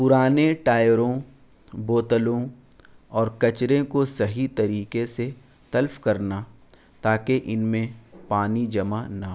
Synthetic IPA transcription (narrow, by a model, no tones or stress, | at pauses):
pʊɾaːneʈaːɪɾõ | boːt̪əlõ | ɔːɾkɐt͡ʃɾẽkosɐɦit̪ɐɾiːkese | t̪ɐlfkɐɾna | t̪aːkeʔɪnmẽpaːnid͡ʒɐmanɐɦ